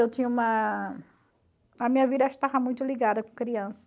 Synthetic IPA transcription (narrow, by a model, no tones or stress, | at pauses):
ewt̪ĩɲɐũmɐ | ɐmĩɲɐvid̪ɐʃt̪avɐmũj̃t̪ʊliɡad̪ɐkõkɾiɐ̃sɐ̥